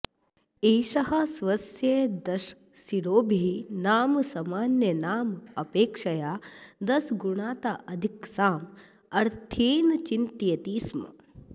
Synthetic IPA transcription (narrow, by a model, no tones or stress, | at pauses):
eːʃɐɦɐsʋɐsjed̪ɐʃ | siɾoːbʱinaːmsɐmaːnjɐnaːmɐpeːkʂɐjaːd̪ɐsɡuɳaːt̪aːʔɐd̪ʱiksaːm | ɐɾt̪ʰiːnt͡ʃint̪ijɐt̪iːsmɐ̰